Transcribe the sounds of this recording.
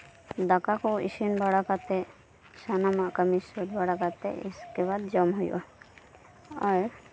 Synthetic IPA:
d̪akakoḭʃinbaɽakat̪e | ʃanamaʔkəmisoɾbaɽakat̪ḛḭskebad̪d͡ʒɔmɦujo̰ | aɾ

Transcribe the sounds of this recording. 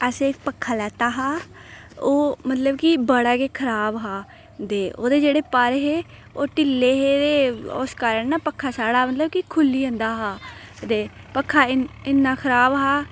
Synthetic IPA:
əseːk̚pəkʰːaːlɛːt̪aːɦaː | oːmət̪ləbkibəɽaːkeːkʰəɾaːbɦaː | d̪eːo̰ːd̪eːd͡ʒeːɽeːpəɾɦeː | oːʈɪlːeːɦeːd̪eːʊ̰skaːɾəɳnaːpəkʰːaːsaːɽaːmət̪ləbkikʰʊlːiːə̃nd̪aːɦaːd̪eː | pəkʰːaːɪɪnːaːkʰəɾaːbɦaː

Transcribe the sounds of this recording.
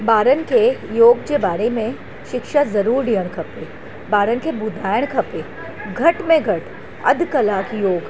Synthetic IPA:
baːɾənkejoːɡd͡ʒebaːɾemẽ | ʃɪkʃazɐɾuːɾɖijəɽ̃kʰɐpe | baːɾənkebʊd̪ʱaːjəɽ̃kʰɐpe | ɡʱɐʈmẽɡʱɐʈ | ɐ̰d̪ʱkɐlaːkjoːɡ

